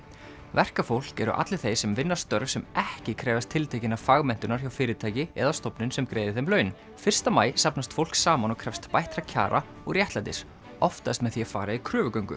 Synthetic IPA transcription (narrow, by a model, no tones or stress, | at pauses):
vɛr̥kafowl̥kɛɾʏ̰ʔa̰t̪lɪ̥θejsɛmvɪnːḁst̪œɾvsɛmɛhcɪkʰɾɛːvast̪ʰɪlt̪ʰajcɪnafaɣmɛn̥t̪ʏnaɾ̥çjawfɪːɾɪt̪ʰaːjcɪɛðast̪ɔpnʏnsɛmkɾeːjðɪθejmlœːɥn | fɪr̥st̪amaːjsapnast̪fowl̥ksaːmanɔkʰɾɛfst̪pajht̪ɾacʰa̰ːɾʔa̰ | ɔɣrjɛht̪lajt̪ɪs | ɔft̪aɛst̪mɛðθiafa̰ːɾaikʰɾœːvʏkœɥŋkʏ̰